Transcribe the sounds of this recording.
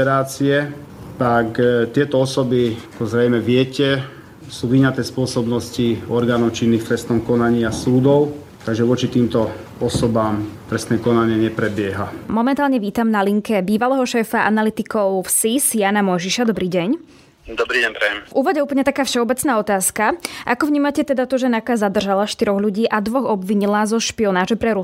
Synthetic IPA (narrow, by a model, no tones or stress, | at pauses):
ɛɾaːt͡siɛ | t̪akt̪ɪɛt̪ɔɔsɔbiakɔzɾɛjmɛʋɪɛcɛ | suːʋiɲat̪ɛːspʊɔsɔbnɔsciɔɾɡaːnɔʊt͡ʃinːiːxt̪ɾɛst̪nɔmkɔnaɲiːasuːd̪ɔʊ | t̪aɡʒɛʋʊɔt͡ʃit̪iːmt̪ɔ | ɔsɔbamt̪ɾɛst̪nɛːkɔnaɲɪɛɲɛpɾɛbɪɛɦamɔmɛnt̪aːlɲɛʋiːt̪amnaliŋkɛbiːʋalɛːɦɔʃɛːfaʔa̰nalit̪ikɔʊfsisjanamɔjʒiʃad̪ɔbɾiːɟɛɲ | d̪ɔbɾiːɟɛpɾɛjɛmvuːʋɔɟɛuːp̬l̩ɲɛt̪akaːfʃɛɔbɛt͡snaːɔt̪aːskaʔakɔvɲiːmacɛt̪ɛd̪at̪ɔʒɛnakazad̪rʒalaʃt̪iɾɔɣlʎuɟiːʔad̪ʋɔɣɔbʋiɲilaːzɔʃpiɔnaːʒɛpɾɛɾu